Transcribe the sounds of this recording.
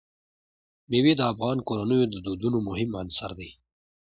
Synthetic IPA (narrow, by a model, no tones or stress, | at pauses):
mewed̪əafɣɑːnkoɾanəjod̪əd̪ud̪unomʊhɪmansa̰ɾd̪i